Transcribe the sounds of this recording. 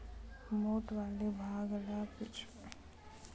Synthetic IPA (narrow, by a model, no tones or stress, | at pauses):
moːʈʋaːlebʱaːɡlapit͡ʃʰ